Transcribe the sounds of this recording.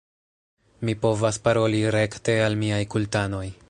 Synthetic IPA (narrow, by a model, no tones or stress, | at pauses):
mipo̞vaspaɾo̞liɾe̞kte̞almiajkultano̞j